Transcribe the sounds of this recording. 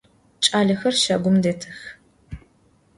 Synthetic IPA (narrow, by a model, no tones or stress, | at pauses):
t͡ʃʼaːɮɐxɐrʃaːɡʷʊmdeːtʰɐx